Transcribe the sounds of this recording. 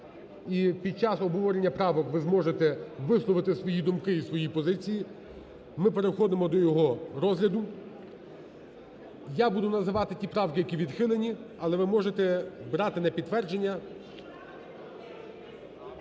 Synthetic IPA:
ipʲid̪̚t͡ʃɑsɔbɦɔʋɔɾenʲːɐpɾɑʋɔkʋɪzmɔʒet̪ɛʋɪslˠɔʋɪt̪ɪsʋɔjid̪ʊmkɪisʋɔjipɔzɪt͡sʲiji | mɪpeɾexɔd̪ɪmɔd̪ɔjɔɦɔɾɔzɦlʲɐd̪ʊ | jabud̪ʊnɐzɪʋɑt̪ɪtʲipɾɑwkɪjɐkʲiʋʲid̪xɪlˠenʲiɐlˠɛʋɪmɔʒet̪ɛbɾɑt̪ɪnɛpʲid̪t̪ːʋɛrd͡ʒenʲːɐ

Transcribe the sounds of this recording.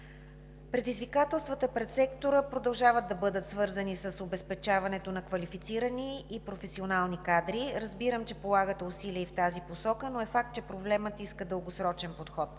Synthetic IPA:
pɾɛd̪izvikat̪ɛlˠst̪vət̪əpɾɛt̪sɛkt̪oɾəpɾod̪ɐlˠʒavəd̪ɐbɤd̪ət̪svɤɾzənisəsobɛspɛt͡ʃavɐnɛt̪onɐkvɐlifit̪siɾəniːpɾofɛsionalˠnikad̪ɾiɾəzbiɾəmt͡ʃɛpolˠaɡət̪ɛusiliəift̪aziposɔkənoɛfak̚t̪̚t͡ʃɛpɾoblɛmət̪iskəd̪əlˠɡosɾɔt͡ʃɛnpot̪xɔt̪

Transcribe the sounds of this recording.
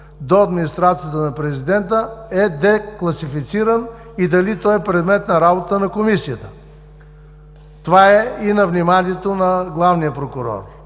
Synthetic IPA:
d̪oɐd̪minʲist̪ɾat̪sijət̪ənɐpɾɛzid̪ɛnt̪əɛd̪ɛklˠɐsifit̪siɾən | id̪ɐlit̪ɔjɛpɾɛd̪mɛt̪nɐɾabot̪ənɐkomisijət̪ə | t̪ovaɛinɐvnimaniɛt̪onɐɡlˠavnijəpɾokʊɾɔ̰ɾ

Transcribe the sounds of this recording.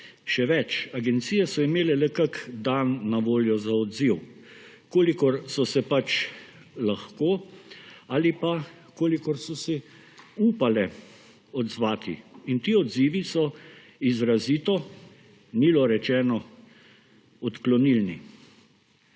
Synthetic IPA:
ʃɛʋɛt͡ʃaɡɛnt̪sijɛsɔimeːlɛlɛkəkd̪anːaʋoːljɔzaɔd̪ziw | koːlikɔɾsɔsɛpat͡ʃ | laxkoː | aːlipa | koːlikɔɾsɔsɛ | uːpalɛ | ɔd̪zʋaːt̪ḭint̪iːɔd̪ziːʋisɔ | izɾaziːt̪ɔ | niːlɔɾɛt͡ʃɛːnɔ | ɔt̪klɔnilnḭ

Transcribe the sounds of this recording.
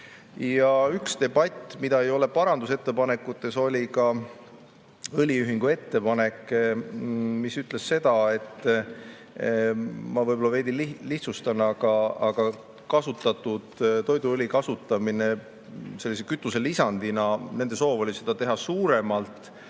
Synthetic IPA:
jɑykst̪e̞bɑt̪ʲːmid̪̥ɑe̞jo̞le̞pɑɾɑnd̪use̞t̪ːe̞pɑne̞kːˑut̪ːˑe̞so̞lʲikɑ | ɯlʲiyɦiŋɡ̥ue̞t̪ːe̞pɑne̞kː | misyt̪le̞sːe̞d̪̥ɑe̞t̪ˑː | mɑvɤjbo̞lɑve̞jd̪inliliht̪sust̪ɑnːɑɡ̥ɑɑɡ̥ɑ | kɑsut̪ːˑɑt̪ːˑud̪̥t̪o̞jd̪uɯlʲikɑsut̪ːˑɑmine̞ | se̞lːisekyt̪ˑːuse̞lisɑnd̪̥inɑne̞nd̪̥e̞so̞ːvo̞lʲise̞d̪̥ɑt̪e̞ɦɑsuːɾe̞mɑlt̪ˑ

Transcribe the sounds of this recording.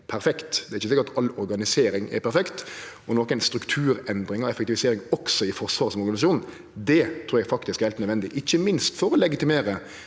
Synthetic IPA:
pʰæɾfɛkt̪d̪ɛɾɪçəsɪkəɾɑt̪ɑlɔɾɡɑnɪseːɾɪŋɛ̰ɾpʰæɾfɛkt̪ɔnoːkæɪnst̪ɾʉkt̪ʰʉːɾɛnd̪ɾɪŋɑɛfɛk̚t̪ɪʋɪseːɾɪŋɔksɔɪfɔɾʂʋɑːʁsɔmɔɾɡɑnɪsɑʃuːnn̩ | d̪ɛt̪ʰɾuːɾjɛɡfɑk̚t̪ɪskɾɛlt̪nœd̪ʋɛnd̪ɪʔɪçːəmɪnst̪fɔɾɔlɛɡɪt̪ɪmeːɾə

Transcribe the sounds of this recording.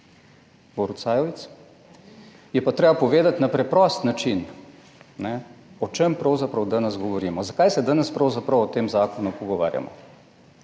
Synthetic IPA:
bɔɾut̪saːjɔʋit̪s | jɛpat̪ɾeːbapɔʋeːd̪at̪napɾɛpɾɔst̪nat͡ʃin | nɛɔt͡ʃempɾɐwzapɾɐwd̪aːnɛsɡɔʋɔɾiːmɔzakajsɛd̪aːnɛspɾɐwzapɾɐwɔt̪eːmzaːkɔnupɔɡɔʋa̰ːɾja̰mɔ̰

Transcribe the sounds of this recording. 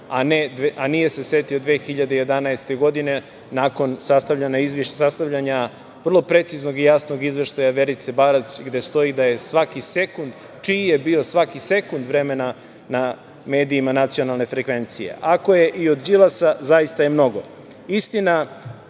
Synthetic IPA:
aned̪ʔanije̞se̞se̞t̪iod̪ʋe̞ːxiʎad̪ejed̪anaest̪e̞ɡo̞d̪ine̞ | nako̞nsast̪avʎaɲaizʋiʃsast̪aʋʎaɲa | ʋr̩lˠo̞pɾe̞t̪sizno̞ɡijasno̞ɡizʋeʃt̪ajaʋe̞ɾit̪se̞baɾasɡd̪e̞st̪o̞id̪aje̞sʋakise̞kund̪ | t͡ʃiːjebio̞sʋakise̞kund̪ʋɾe̞me̞na | na | me̞ːd̪iːmanat̪sio̞nalˠne̞fɾekʋe̞nt̪sije̞̰ʔako̞je̞ʔio̞d̪d͡ʒilˠasazajist̪aje̞mno̞ɡo | ist̪ina

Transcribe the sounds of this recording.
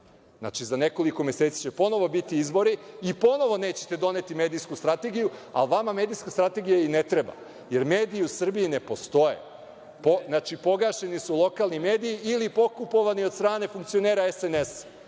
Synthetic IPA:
zna̰t͡ʃizaneko̞likomeset̪si̥t͡ɕepo̞no̞ʋo̞bit̪iizbo̞ɾiːpo̞no̞ʋo̞neːt͡ɕe̞̥t̪ed̪o̞ne̞t̪ime̞ːd̪iskust̪ɾat̪e̞ɡijua̰lʋamameːd̪ijskast̪ɾat̪e̞ɡijainet̪ɾe̞ba̰ | je̞ɾme̞ːd̪iiusr̩biinepo̞st̪o̞je̞̰ | poznaːt͡ʃipo̞ɡaʃe̞nisulˠo̞kaːlˠnime̞ːd̪ijiʔilipo̞kupo̞ʋaniod̪st̪ɾaːne̞fuŋkt̪sio̞neːɾaesenes

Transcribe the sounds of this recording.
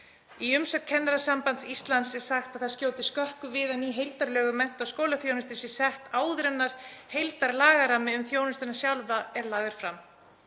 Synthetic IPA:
iʏmsœk̚t̪̚kʰɛnːaɾasampant̪sist̪lant̪sɛ̥saxt̪aðθaɾ̥scjoːwt̪ɪskœhkʏvɪðanːiːɦejlt̪aɾlœːɣʏmɛn̥t̪awskoːwlaθjownʏst̪ɪ̥sjɛ̥sɛht̪aːwðɾɛnːaɾ̥hejlt̪aɾlaːɣaɾamɪʏmθjownʏst̪ʏnːasjawlvaɛɾlaːɣðɪɾ̥fɾam

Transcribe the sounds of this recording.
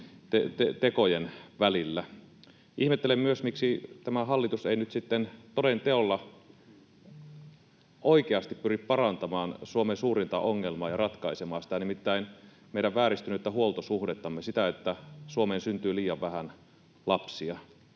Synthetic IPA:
t̪et̪et̪ekojenʋælilːæ | ihmet̪ːelemmyøsmiksit̪æmæɦɑlːit̪useinyt̪sit̪ːent̪odent̪eolːɑ | ʔoikeɑst̪ippyrippɑrɑnt̪ɑmɑːnsuomensuːrint̪ɑ̰ʔoŋːelmɑːjɑrɑt̪kɑisemɑːsi̥t̪ænimit̪ːæin | meˑjɾæʋʋæːɾist̪ynyet̪ːæɦuolt̪osuxdet̪ːɑmːesit̪æet̪ːæsuomeːnsynt̪yːliːjɑʋʋæhæn | lɑpsiɑ

